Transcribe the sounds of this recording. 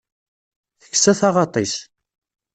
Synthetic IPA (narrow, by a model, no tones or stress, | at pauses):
θə̥kːsæθɑʁɑt̪ˤis